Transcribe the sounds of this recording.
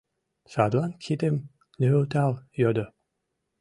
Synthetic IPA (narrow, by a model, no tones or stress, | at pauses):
sɑd̪lˠɑnkʰid̪em | nølt̪ɑlˠjod̪o